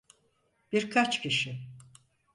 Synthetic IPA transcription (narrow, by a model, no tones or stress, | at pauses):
b̥iɾkʰat͡ʃcʰiʃɪ